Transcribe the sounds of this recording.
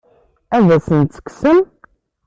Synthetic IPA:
æðæsənt̪t͡sːə̥ksəm

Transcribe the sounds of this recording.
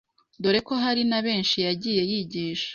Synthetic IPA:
doɾe̞ko̞ɦaɾinaβe̞ːnʃijaɟiːje̞jiɟiːʃḁ

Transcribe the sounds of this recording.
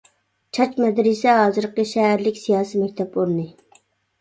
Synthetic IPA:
t͡ʃʰɑt͡ʃmɛd̪ɾɪsɛɦɑːzɨɾqəʃɛɦæɾlɪkʲsijɑːsimɛkʲt̪ʰɛpoɾɨnɨ

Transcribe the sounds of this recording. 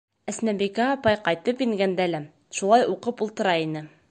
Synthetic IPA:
æsnæbikæɒpɑjqɑjt̪ɤpiŋɡænd̪ælæ | ʃulˠɑjuqɤpulˠt̪ɤ̆ɾɑinɘ

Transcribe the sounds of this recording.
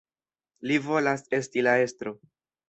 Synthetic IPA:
livo̞lase̞stilae̞stɾo̞

